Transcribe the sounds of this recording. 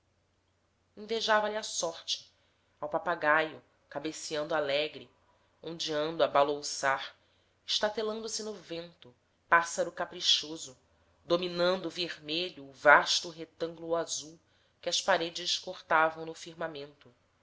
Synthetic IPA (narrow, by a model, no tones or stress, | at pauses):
ẽveʒavɐlɪasɔɾt͡ʃɪ̥ | awpapaɡajʊ | kabesiɐ̃nd̪ʊalɛɡɾɪ | õnd͡ʒiɐ̃nd̪ʊabalowsaɾ | ɪʃt̪at̪elɐ̃nd̪ʊsɪnʊvẽnt̪ʊ | pasaɾʊkapɾiʃozʊ | d̪ominɐ̃nd̪ʊveɾmeʎʊːvaʃt̪ʊɦet̪ɐ̃ŋɡlʊazuw | kɪɐspaɾed͡ʒɪʃkoχt̪avɐ̃w̃nʊfiɾmamẽnt̪ʊ